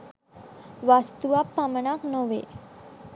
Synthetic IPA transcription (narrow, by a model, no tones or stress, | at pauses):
ʋast̪uʋapːaməɳaknoʋḛ